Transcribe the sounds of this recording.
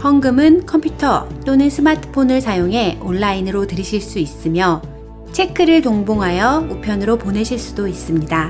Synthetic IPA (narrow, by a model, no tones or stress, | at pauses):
hʌŋɡɯmɯnkʰʌmpʰjutʰʌt͈onɯnsʰɯmatʰɯ̥pʰonɯɭsajoŋɦe̞oɭːainɯɾotɯɾiɕʰiɭs͈uis͈ɯmjʌ | t͡ɕʰe̞kʰɯɾɯɭtoŋboŋɦajʌupʰjʌnɯɾopone̞ɕʰiɭs͈udois͈ɯmɲida